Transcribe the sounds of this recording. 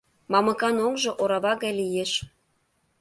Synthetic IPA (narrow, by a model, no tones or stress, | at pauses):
mɑmɤ̆kɑnokʒŏʔoɾɑβɑɣɑjlijeʃ